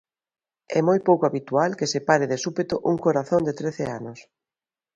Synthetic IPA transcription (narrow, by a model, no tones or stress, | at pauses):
ɛmojpowkoaβit̪ualkesepaɾeðesupet̪oʔuŋkoɾaθond̪et̪ɾeθeanʊs